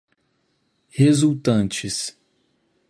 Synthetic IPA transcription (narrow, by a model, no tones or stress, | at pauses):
hezuwt̪ɐ̃t͡ʃɪs